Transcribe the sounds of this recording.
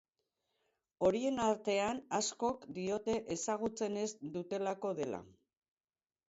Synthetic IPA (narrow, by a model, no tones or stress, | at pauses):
o̞ɾie̞naɾt̪e̞anasko̞kd̪io̞t̪e̞ʔesaɣ̞ut͡se̞ne̞zd̪ut̪e̞lako̞ðe̞la̰